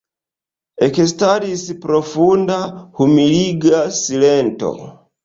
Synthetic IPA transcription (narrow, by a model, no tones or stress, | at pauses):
ekestaɾisipɾofundahumiliɡasilento̞̰